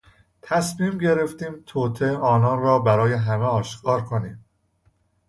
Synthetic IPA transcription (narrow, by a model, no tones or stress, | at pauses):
t̪ʰæsmiːmɟe̞ɾe̞ft̪iːmt̪ʰoːt̪ʰeɒːnɒːnrɒːbæɾɒːje̞ɦæmeɒːʃkʰɒːɾkʰoniːm